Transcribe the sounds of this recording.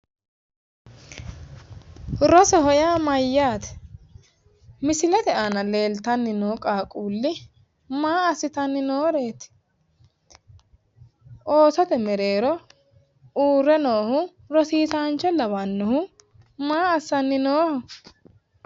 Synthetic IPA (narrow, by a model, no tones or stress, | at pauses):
ɾɔsɔhɔjaːmɐjːaːt̪ɛ̥ | mɪsɪlɛt̪ɛʔanɐle̞ːlt̪ɐnːɪnoːkʼaːkʼuːlːɪ | maːɐsɪt̪ɐnːɪnoːɾe̞ːt̪ | ʔoːsɔt̪ɛmɛɾe̞ːɾɔ | uːrɛnoːhʊ | ɾɔsiːt̪aːnt͡ʃːɔlɐβɐnːʊhʊ | maːɐsːɐnːɪnoːhʊ